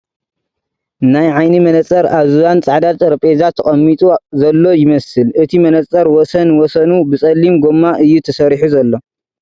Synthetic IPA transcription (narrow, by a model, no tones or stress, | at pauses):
najʕajnimɐnɐt͡sʼɐɾazujant͡sʼaʕd̪at̪ʼɾɐpʼezat̪ʰːɐχʼɐmːit̪ʼuzɐlːo̞jɪmɐsɨlʔɨt̪ʰimɐnɐt͡sʼːɐɾwɔsɐnwɔsɐnubɨt͡sʼɐlːimɡomːaʔɨjːut̪ʰɐsɐɾħuzɐlːo̞